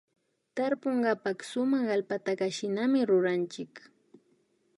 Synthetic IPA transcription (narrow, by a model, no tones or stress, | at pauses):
t̪aɾpoɴɢɑpɑχsʊmaχalpat̪akaʃɪnamɪɾʊɾant͡ʃɪk